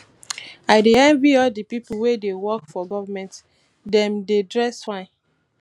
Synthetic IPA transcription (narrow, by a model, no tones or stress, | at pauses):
aɪdeãnbiɔldipipuwedewɔkfɔɡɔvamɛ̃nt | dɛ̃mdedɹɛsfãn